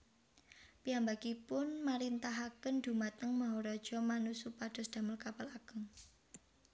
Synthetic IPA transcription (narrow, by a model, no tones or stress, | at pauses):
piambakipʊnmaɾint̪aɦakənd̪̥ṳmat̪əŋmaɦɔɾɔd̥ʒ̥ɔ̤manusupaɖ̥ɔ̤sd̪̥a̤məlkapalaɡ̥əŋ